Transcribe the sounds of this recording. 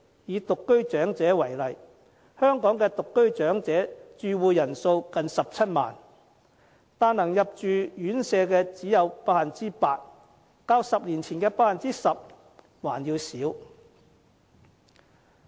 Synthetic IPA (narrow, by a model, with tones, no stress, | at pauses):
jiː˨˧t̪ʊ˨kːɵ˥ɥt͡ʃœː˨˥ŋt͡sɛː˨˥wɐ˨˩jlɐ˨j | hœː˥ŋkɔː˨˥ŋkɛː˧t̪ʊ˨kːɵ˥ɥt͡ʃœː˨˥ŋt͡sɛː˨˥t͡ʃyː˨˧wuː˨˧jɐ˨˩nso˧wkɐ˨nsɐ˨p̚t͡sʰɐ˥t̚ma̰ː˨˩n | t̪aː˨˧nɐ˨˩ŋjɐ˨p̚t͡ʃyː˨jyː˨˥nsɛː˧kɛː˧t͡siː˨˥jɐ˨˧wpaː˥k̚hɐ˨nt͡siː˥paː˧t̚ | kaː˧wsɐ˨p̚liː˨˩nt͡sʰiː˨˩nkɛː˧paː˥hɐ˨˩nt͡siː˥sɐ˨p̚ | waː˨˩njiː˧wsiː˨˥w